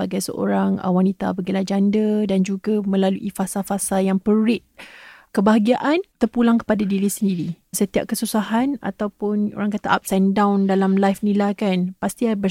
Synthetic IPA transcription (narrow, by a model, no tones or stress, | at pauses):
aɡajsə̰ʔo̰ɾaŋ̰wanit̪a̰baɡilad͡ʒandədand͡ʒuɡamə̃laluʔifasafasajaŋpəɾɪt̪̚kəbaɦaɡiaʔant̪ərpulaŋkə̥padadiɾisəndiɾisət̪ia̰p̚kəsusaɦana̰t̪awpʊno̰ɾaŋkat̪aʔa̰p̚sɛndawndalamlajfnilakanpast̪iabə